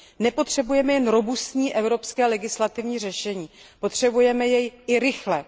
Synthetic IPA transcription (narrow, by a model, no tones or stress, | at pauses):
nɛpo̞t̪r̝̥ɛbujɛmɛjɛnɾo̞bust̪ɲiːʔɛvɾo̞pskɛːlɛɡɪslat̪ɪvɲiːr̝ɛʃɛɲiːpo̞t̪r̝̥ɛbujɛmɛjɛjɪɾɪxlɛ